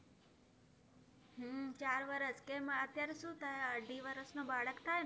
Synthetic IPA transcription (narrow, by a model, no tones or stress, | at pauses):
ɦəːt͡ʃaːɾʋəɾəskẽmãət̪jaɾesũt̪ʰaəɖʱiʋəɾəsnobaːɭəkt̪ʰaːj